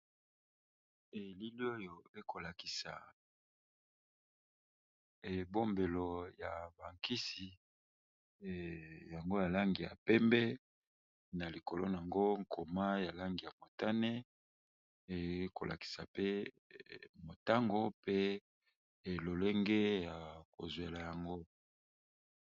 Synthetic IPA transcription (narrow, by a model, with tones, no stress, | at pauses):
e˨li˦li˦o˦jo˨e˦ko˨la˨ki˨sa˨ | bo˦mbe˨lo˨ja˨ba˨ŋki˦si˨ | ja˨ŋɡo˦ja˨la˦ŋɡi˨ja̰˨pɛ˦mbɛ˦ | na˨li˨ko˨lo˦n˨a˨ŋɡo˦ŋkʰo˨ma˦ja˨la˦ŋɡi˨ja˨mo˨ta˦ne˦˨˦ | ko˨lʔa̰˨ki̥˨sa̰˨pe˦ | mo˨ta˦ŋɡo˦pe˦˨ | lo˨le˦ŋɡe˦ja˨ko˨zwe˨la˨ja˨ŋɡo˦